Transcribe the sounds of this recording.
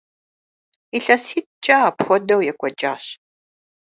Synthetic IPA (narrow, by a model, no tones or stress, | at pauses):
iɬɐsiːt̚t͡ʃʼaːpxʷɔdɐwjɛkʷʼɔd͡ʒʼaːɕ